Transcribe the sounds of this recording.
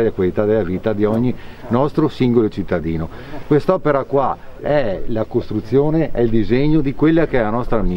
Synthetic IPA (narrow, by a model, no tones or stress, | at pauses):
elakwalit̪ad̪elːaviːt̪ad̪iɔɲːinɔst̪ɾosiŋɡolot͡ʃit̪ːad̪iːno | kwest̪ɔːpeɾakwa | ɛlakost̪ɾut̪sːjoːneʔɛild̪izeɲːod̪ikwelːakeɛlanɔst̪ɾami